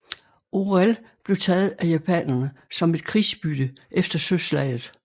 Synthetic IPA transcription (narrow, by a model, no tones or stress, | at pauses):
ʔoʁæl | b̥le̝ʊt͡sʰɛːð̞̩ˠæjæpʰɛ̰nɐnəsɒ̽me̝d̥̚kʰʁiːsb̥yd̥ə | ʔefd̥ɐsøslɛ̰ɪð̩ˠ